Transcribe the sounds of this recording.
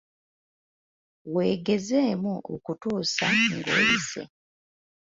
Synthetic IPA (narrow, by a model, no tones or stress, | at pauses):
we̞ːɡe̞zeːmuʔo̰kutuːsaŋɡo̰ːisḛ